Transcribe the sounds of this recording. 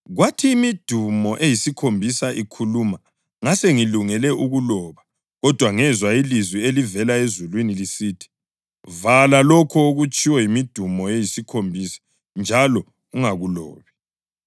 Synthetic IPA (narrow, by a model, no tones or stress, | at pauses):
ɣwatʰiːmid̥ʱumɔʔejisikʰombʱisaʔikʰuluːma | ŋaseŋiluŋɛlɛʔuɣulɔːβa | ɣɔd̥ʱwaŋɛzwailizwielivɛlaezulwinilisiːtʰi̥ | valalɔkʰɔoɣut͡ʃʼiwɛjimid̥ʱumɔejisikʰombʱisḁ | nd͡ʒʱalɔ | uŋaɣulɔ̰ːβɛ